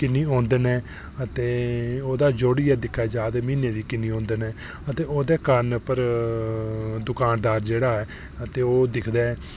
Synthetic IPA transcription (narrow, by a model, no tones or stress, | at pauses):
kɪnːiːõːnd̪enɛː | ət̪eːoːd̪aːd͡ʒoːɽiːɛːd̪ɪkʰad͡ʒaːd̪eːmiːneːd̪iːkɪniːõːnd̪ənɛː | ət̪eːoːd̪eːkəɾənpəɾ | d̪ʊkaːnd̪aːɾd͡ʒeːɽaːɛː | ət̪eːoːd̪ɪkʰd̪ɛː